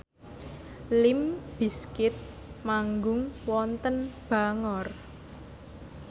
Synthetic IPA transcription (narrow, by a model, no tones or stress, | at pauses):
lɪmb̥i̤skɪt̪̚ | maŋɡʊŋwɔnt̪ənb̥a̤ŋɔr